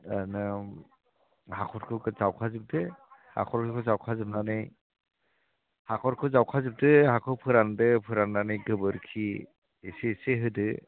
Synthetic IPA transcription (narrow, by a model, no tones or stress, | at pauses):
anɯ | hakʰɔɾkʰɯkɯzawkʰazɯp̚dɯha̰kʰɔɾkʰɯkʰɯzawkʰazɯp̚nanɯj | hakʰɔɾkʰɯzawkʰazɯp̚dɯhakʰɔwpʰɯɾandɯpʰɯɾanːanɯjɡɯbɯɾkʰi | eseseɦɯdɯ